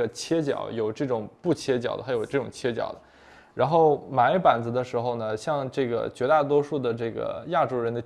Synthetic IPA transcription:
ə˩t͡ɕʰjɛ˥t͡ɕjɑ̰˨˩˥ʊjo˨˩ʊʈ͡ʂɤ˥˩ʈ͡ʂʊ˨˩ŋpu˥˩t͡ɕʰjɛ˥t͡ɕjɑ̰˨˩ʊd̪ə˦˥a˧˥jo˨˩ʊʈ͡ʂɤ˥˩ʈ͡ʂʊ˨˩ŋt͡ɕʰjɛ˥t͡ɕjɑ̰˨˩ʊd̪ə˦ | ɻa˧˥nxo˥˩ʊma˧˥ɪpa˨˩nd͡zɹ̩˧˥d̪ə˧ʂɻ̩˧˥xo˧ʊnə˩ɕjɑ˥˧ŋʈ͡ʂɤ˥˩ɡə̰˩t͡ɕɥɛ˧˥t̪a˥˩t̪̬wɔ˥ʂu˥˩d̪ə˩ʈ͡ʂɤ˥˩ɡə̰˩ja˥˩ʈ͡ʂo˥ʊɻə˧˥nd̪ə˧

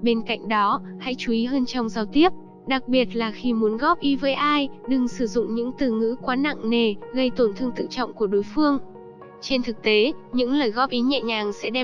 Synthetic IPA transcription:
ɓe˧nka̰˧˨jŋ̟ɗɔ˨˦ha̰˧˥jt͡ɕu˨˦ʔi˨˦ɦəː˧nt͡ɕɔ˧wŋ͡mzaː˧wt̪i˦˥əp̚ | ɗa˨˩k̚ɓi˨˩ət̚laː˨˩xi˧mu˨˦ənɣɔ˦˥p̚ʔi˨˦vəː˨˦jʔaː˧jɗɨ˨˩ŋsɨ˧˩zʊ̰˧˨ŋ͡mɲɨ̰˧˥ŋt̪ɨ˨˩ŋɨ̰˧˥kwaː˨˦na̰˧˨ŋne˨˩ɣə˧jt̪o˧˩nt̪ʰɨ˧əŋt̪ʰɨ̰˧˨t͡ɕɔ̰˧˨wŋ͡mku˧˩əɗo˨˦jfɨ˧əŋ | t͡ɕe˧nt̪ʰɨ˨˩k̚t̪e˨˦ɲɨ̰˧˥ŋləː˨˩jɣɔ˦˥p̚ʔi˨˦ɲɛ̰˧˨ɲaː˨˩ŋsɛ̰˧˥ɗɛ˧

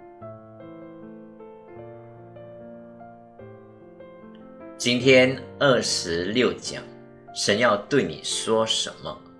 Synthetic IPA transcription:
t͡ɕi˥nt̪ʰjɛ˥nə˥˩ʂɻ̩˧˦ljo˥˩ʊt͡ɕjɑ̰˨˩˦ | ʂə˨˧˥njɑ˥˧ʊt̪we˥˩ɪnḭ˨˩ʂwɔ˥ʂə̰˧˥nmə̰˨

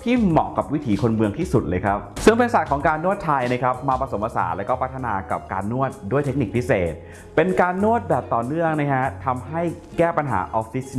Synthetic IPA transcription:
t̪ʰiː˥˩mɔː˨˩ka˨˩p̚wi˦˥t̪ʰiː˩˦kʰo˧nmɯ˧ŋt̪ʰiː˥˩su˨˩t̪̚lɤː˧jkʰɾa˦˥p̚sɯ˥˩ŋpe˧nsa˨˩t̪̚kʰɔː˩˦ŋkaː˧nːu˥˩ət̪ʰːaː˧jna˦˥jkʰa˦˥p̚maː˧pɾa˧so˩˦mpaː˧sa̰ː˩˦lɛ˦˥wkɔː˥˩pʰt̪ʰːa˧naː˧ka̰˨˩p̚ka̰ː˧nːu˥˩ət̪̚du˥˩əjt̪ʰe˦˥k̚ni˨˩k̚pʰi˦˥seː˨˩t̪̚ | pe˧nkaː˧nːu˥˩ət̪̚bɛː˨˩p̚t̪ɔː˨˩nɯ˥˩əŋna˦˥jkʰa˦˥t̪ʰa˧mɦa˥˩j | kɛː˥˩pa˧nɦa̰ː˩˦ʔɔ˧˦˥fi˦˥s

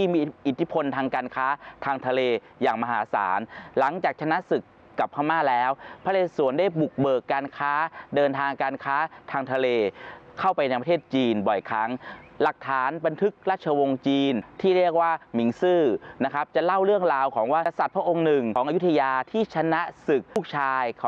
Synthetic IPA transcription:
t̪ʰiː˥˩miː˧ʔi˨˩t̪ʰːi˦˥pʰo˧nt̪ʰaː˧ŋkaː˧nkʰaː˦˥t̪ʰaː˧ŋt̪ʰa˧leː˧ | jaː˨˩ŋma˧ɦaː˩˦sa̰ː˩˦nla˩˦ŋt͡ɕaː˨˩k̚t͡ɕʰa˧na˦˥sɯ˨˩kː | a˨˩pʰːaː˧˩maː˥˩lɛː˦˥wpʰa˧˥leː˧˩su˨˩˦əndaː˥˩jbu˨˩k̚bɤː˨˩kːaː˧nkʰaː˦˥dɤː˧nt̪ʰaː˧ŋkaː˧nkʰaː˦˥t̪ʰaː˧ŋt̪ʰa˧leː˧kʰa˥˩wpa˧jt̪a˧ŋpt̪ʰeː˥˩t̪̚t͡ɕiː˧nbɔ˨˩jkʰa˦˥ŋla˨˩k̚t̪ʰaː˩˦nba˧nt̪ʰɯ˦˥k̚ɾaː˥˩t̪̚t͡ɕʰa˧wo˧ŋt͡ɕiː˧nt̪ʰiː˥˩ɾi˥˩ək̚waː˥˩mi˩˦ŋsɯː˥˩na˦˥kʰa˦˥p̚t͡ɕa˨˩la˥˩wɾɯ˥˩əŋɾaː˧wkʰɔː˩˦ŋwaː˥˩˧sa˨˩t̪̚pʰɾa˦˥ʔo˧ŋnɯ˨˩ŋkʰɔː˩˦ŋʔa˧˦u˦˥t̪ʰːa˧jaː˧t̪ʰiː˥˩t͡ɕʰa˧na˦˥sɯ˨˩k̚u˥˩k̚t͡ɕʰaː˧jkʰː

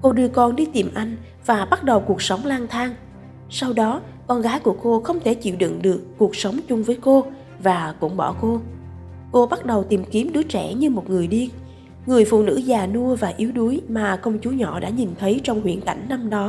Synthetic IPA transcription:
ko˧ɗɨ˧əkɔ˧˩nɗi˧t̪i˨˩mʔa˧jŋ̟ | vaː˨˩ɓa˦˥t̚ɗə˨˩wku˨˩ək̚sə˨˦wŋ͡mlaː˧nt̪ʰaː˧ŋ | sa˧wɗɔ˨˦ | kɔ˧nɣaː˨˦jku˧˩əko˧xə˧wŋ͡mt̪ʰe˧˩t͡ɕḭ˧˨wɗɨ̰˧˨ŋɗɨ˨˩əkːu˨˩ək̚sə˨˦wŋ͡mt͡ɕʊ˧ŋ͡mvəː˨˦jko˧ | vaː˨˩kʊ̰˧˥ŋ͡mɓɔ̰˧˩ko˧ | ko˧ɓa˦˥t̚ɗə˨˩wt̪i˨˩mki˨˦əmɗɨ˨˦ət͡ɕɛ̰˧˩ɲɨ˧mo˨˩t̚ŋɨ˨˩əjɗi˧ | ŋɨ˨˩əjfṵ˧˨nɨ̰˧˥zaː˨˩nu˧əvaː˨˩ʔi˨˦əwɗu˨˦jmaː˨˩kə˧wŋ͡mt͡ɕu˨˦ɲɔ̰˧˨ɗa̰ː˧˥ɲi˨˩nt̪ʰə˨˦jt͡ɕɔ˧wŋ͡mhwḭ˧˨ənka̰˧˩jŋ̟na˧mɗɔ˨˦

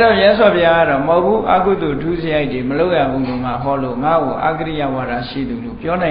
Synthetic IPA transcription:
dɔ˦˨mjɛ˦s̬wa˨pʰja˦ɡa˦˨ɾɔ˨mõ˨kṵ˦˨ʔa̰˦ku˦˨d̪o˨tʰu˦˨zə˦ja˦ɪtwe˨məlo˦ʊʔja˦˨bu˨lo˨m̥a̰˦˨ɦɔ˦lo̰˦˨ŋa̰˦˨ɡo˨ʔa̰˦˨ɡəɾḭ˦˨ja̰˦˨wa˨da˦ʃḭ˦˨d̪u˨lo̰˦˨pjɔ˦nã˨

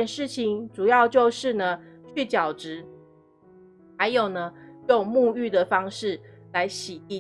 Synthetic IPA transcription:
ɛ˨˩nʂɻ̩˥˩t͡ɕʰi˨ŋʈ͡ʂu˨˩jɑ˥˧ʊt͡ɕjo˥˧ʊʂɻ̩˥˩nə˩t͡ɕʰy˥˩t͡ɕjɑ˨˩ʊʈ͡ʂɻ̩˧˥ | ha˧ɪjo˨˩ʊnə˦jo˥˧ŋmu˥˧y˥˩d̪ə˨fɑ˥ŋʂɻ̩˥˩la˧˦ɪɕi˨˩i˥˧˩

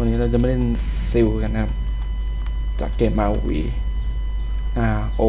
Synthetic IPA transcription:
a˧nːiː˦˥ɾa˧t͡ɕa˨˩ma˥˩˥e˥˧n | si˧wka˧nːa˧˥kʰa˦˥p̚ | t͡ɕa̰ː˨˩kːeː˧˩ma˧wwḭː˧˩ | ʔaː˧˩ | ʔoː˧

